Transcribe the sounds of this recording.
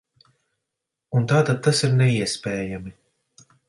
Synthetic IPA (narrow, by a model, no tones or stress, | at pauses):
unt̪aːt̪ad̪̚t̪ːasiɾnɛiɛspʲɛːjami